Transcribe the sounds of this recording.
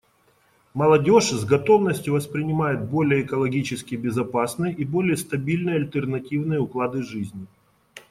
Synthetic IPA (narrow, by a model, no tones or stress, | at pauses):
mɐlˠɐdʲo̞ʂzɡɐt̪o̞vnəsʲtʲjʊvəspɾʲɪnʲɪmajɪt̪̚bo̞lʲɪjəːkəlˠɐɡʲit͡ɕɪskʲɪbʲɪzɐpasnɨjəʔibo̞lʲɪjəst̪ɐbʲilʲnɨjəɐlʲt̪ʲərnɐtʲivnɨjəʊklˠad̪ɨʐɨzʲnʲɪ